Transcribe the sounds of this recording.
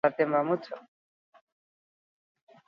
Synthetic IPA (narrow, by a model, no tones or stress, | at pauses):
at̪emamutʰo